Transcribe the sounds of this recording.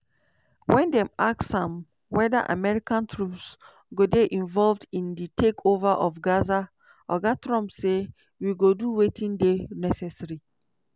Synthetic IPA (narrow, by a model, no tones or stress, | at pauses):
wʔɛ̃ndɛ̃maksãm | wɛda̰ʔa̰mɛɹikãntʰɹups | ɡodeʔĩnvɔlvdĩnditʰekʰovaʔɔfɡaza | ɔɡatɹɔ̃mpse | wiɡoduwetʰĩndenɛsɛsɹi